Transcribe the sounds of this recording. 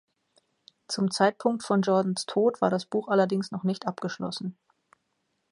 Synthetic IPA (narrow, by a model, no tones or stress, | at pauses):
t͡sʊmt͡saɪt̚pʰʊŋk̚tfɔnd͡ʒɔɐdn̩stʰoːtv̥aːɐɾasb̥uːxʔalɐdɪŋsnɔχnɪçtʔapɡ̥əʃlɔ̰sn̩